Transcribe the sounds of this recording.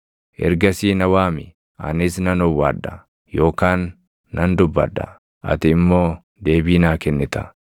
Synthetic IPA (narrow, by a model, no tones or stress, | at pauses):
ʔɛ̰ɾɡɐsiːnɐwaːmɪ | ɐ̰nɪs̬nɐnɔwːa̰ːd̪ːɐ | jo̞ːkaːnː | ɐnd̪ʊbːɐ̰d̪ːɐ̰ | ʔɐ̰t̪ɪːmːo̞ː | d̪e̞ːbiːnaːkɛnːɪt̪ɐ̥